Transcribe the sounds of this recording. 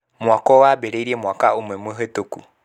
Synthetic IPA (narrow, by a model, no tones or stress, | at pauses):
mwakɔwabɛɾeiɾiemwakaumwɛmweɦetoku